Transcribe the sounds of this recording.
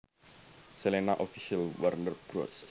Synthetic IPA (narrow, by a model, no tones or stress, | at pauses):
selenaʔofiʃialwarnər̚b̥ɾɔ̰s